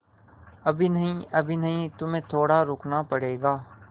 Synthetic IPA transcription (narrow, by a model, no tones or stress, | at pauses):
əbʱinəɦĩəbʱinəɦĩt̪ʊmẽːt̪ʰoːɽaɾʊkʰnapəɽeːɡaː